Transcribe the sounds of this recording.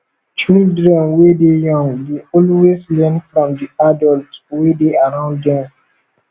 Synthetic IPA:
t͡ʃidɹɛ̃nwedejɔ̃ŋdeɔlweslɛ̃nfɹɔ̃mdiadɔltwedeaɹãʊ̃ndɛ̃n

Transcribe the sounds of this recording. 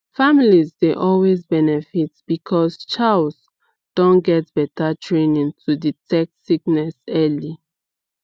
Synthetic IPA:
familizdeʔɔlwezbɛnɛfitb̥ikʰɔst͡ʃals | d̥ɔ̃nɡɛt̚b̥ɛtatʰɹẽnĩŋtʰuditɛk̚tsik̚nɛsɛli

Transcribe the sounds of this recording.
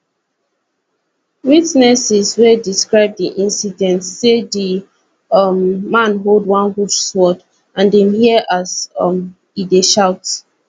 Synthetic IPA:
witnɛsizwɛdiskɹaɪb̚diʔĩnsidɛ̃ntːedi | mːãnɦolˠdwãnhut͡ʃswɔd | ãndɛ̃mhiəʔazm | ideʃaʊt

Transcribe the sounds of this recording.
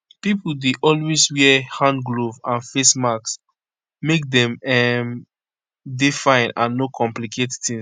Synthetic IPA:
pipul̩deʔɔlweswɛɛhãnɡlovãnfesmaks | mek̚dɛ̃mɛm | difãɪ̃nãnːokʰɔ̃mplikʰettĩŋ

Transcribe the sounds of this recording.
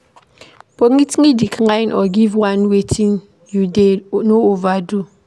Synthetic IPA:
poŋitiŋidikʰəŋainʔɔɡivwanwetʰiŋ | judenoovadu

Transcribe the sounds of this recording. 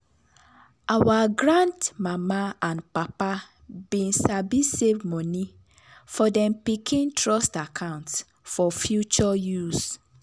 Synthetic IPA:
awaɡɹãntmamaãnpapa | bĩnsabisevmɔni | fɔdɛ̃mpikʰĩntʰɹɔstakʰãʊ̃nts | fɔfjut͡ʃɔjus

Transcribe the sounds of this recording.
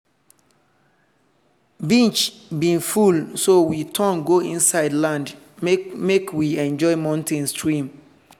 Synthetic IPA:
bĩnt͡ʃ | bĩnfulsowitʰɔ̃nɡoĩnsaɪdlãnd | mekwiɛ̃nd͡ʒɔɪmãʊ̃ntʰɛ̃nstɹĩm

